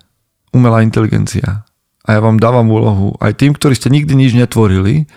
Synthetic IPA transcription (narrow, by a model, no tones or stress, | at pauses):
umɛlaːint̪ɛliɡɛ̰nt͡sḭa̰ | ʔajaːʋaːmd̪aːʋamuːlɔɦṵʔa̰jt̪iːmkt̪ɔɾiːscɛɲiɡ̚d̪iɲid͡ʒɲɛt̪ʋɔɾili